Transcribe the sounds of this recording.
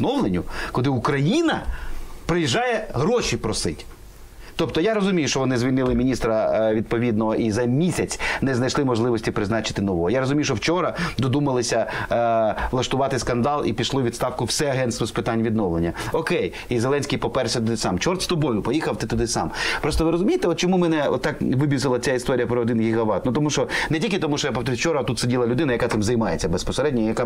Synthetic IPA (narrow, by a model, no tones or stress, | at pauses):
nɔwlˠenʲʊkɔd̪ɪukɾɐjinɐpɾɪjiʒːɑjɛɦɾɔʃipɾɔsɪtʲ | t̪ɔpt̪ɔjaɾɔzʊmʲijʊʃt͡ʃɔʋɔnɪzʋʲilʲnɪlˠɪmʲinʲist̪ɾɐʋʲid̪̚pɔʋʲid̪̚nɔɦɔʔizɐmʲisʲɐt͡sʲnɛznɐjʃlˠɪmɔʒlˠɪʋɔsʲtʲipɾɪznɑt͡ʃɪ̥t̪ɪnɔʋɔɔjaɾɔzʊmʲijʊʃt͡ʃɔwt͡ʃɔɾɐd̪ɔd̪umɐlˠɪsʲɐ | lˠɐʃt̪ʊʋɑt̪ɪskɐnd̪ɑlˠḭpʲiʃlˠɔʋʲid̪st̪ɑwkʊwsɛɐɦɛnt̪st̪ʋɔspɪt̪anʲʋʲid̪nɔʋlˠenʲːɐɔkɛj | izeɛlˠɛnʲsʲkʲijpɔpɛrsʲɐt̪ɔd̪ɪsɑmt͡ʃɔrt̪st̪ɔbɔjʊpɔjixɐwt̪ɪt̪ɔd̪ɪsɑ̰mpɾɔst̪ɔʋɪɾɔzʊmʲijɪt̪ɛɔt̪t͡ʃɔmumɛnɛɔ̰t̪ːɑkʋɪbʲizɪlˠɐt͡sʲaist̪ɔɾʲijɐpɾɔːd̪ɪnɡʲiɦɐʋɑt̪̚nut̪ɔmuʃɔnɛtʲilʲkʲɪt̪ɔmuʃt͡ʃɔjapɔt̪ɾɪt͡ʃɔɾɐt̪ut̪sʊdʲilˠɐlʲʊd̪ɪnɐjɐkat̪ɪmzɐjmɑjet͡sʲːɐbespɔseɾɛdʲnʲɔijɐka